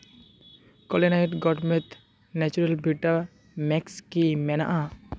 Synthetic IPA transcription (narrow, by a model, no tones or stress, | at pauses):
kɔlenajʈɡɔʈmet̪ | nɛt͡ɕuɾelbʱiʈa | mɛkskimɛna̰ʔa